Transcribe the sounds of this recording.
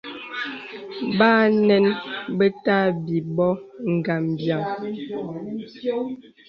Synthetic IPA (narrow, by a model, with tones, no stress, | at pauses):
baː˦nɛ˦nbə˦ta˦bi˨bɔ˦ŋ̩˨ɡa˨mbja˨ŋ